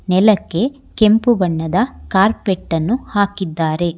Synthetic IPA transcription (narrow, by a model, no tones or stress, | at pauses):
nɛlɐkːe̞ | ke̞mpubɐɳːɐd̪ɐkaːɾpeʈːɐnːuhaːkid̪ːaːɾe̞